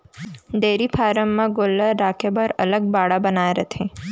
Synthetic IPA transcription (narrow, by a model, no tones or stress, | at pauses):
d̪eɾipʰaːɾəmːãɡolːəːakʰebəɾələɡ̚baɽabənaeɾət̪ʰe